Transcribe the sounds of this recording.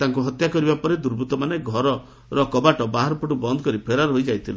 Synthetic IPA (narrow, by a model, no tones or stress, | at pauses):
t̪aŋkuɦɔt̪jakɔɾibapɔɾed̪uɾbʱut̪ɔmaneɡʱɔɾɔ | ɾɔkɔbaʈɔbaɦaɾɔpuʈubɔnd̪ɔkɔɾipʰeɾaɾɦojd͡ʒajt̪ʰilu